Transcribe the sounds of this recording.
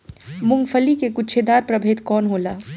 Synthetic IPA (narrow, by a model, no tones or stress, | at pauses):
mʊ̃ŋɡpʰəlikekʊt͡ʃʰed̪aːɾpɾəbʱeːt̪kɔːnɦoːlaː